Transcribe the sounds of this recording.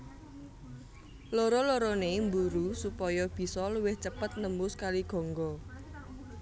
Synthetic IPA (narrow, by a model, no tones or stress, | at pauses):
loɾɔloɾɔnembuɾusupɔjɔb̥i̤sɔluwɪht͡ʃəpət̪̚nəmbʊskaliɡ̥ɔ̤ŋɡɔ